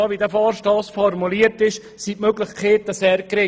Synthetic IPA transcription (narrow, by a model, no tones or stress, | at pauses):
ɑːʋidəfɑːɾʃtɑːsfɔrmuliːəɾtɪʃ | sitmøɡlɪχkχeːt̪əseːɾkɾɪ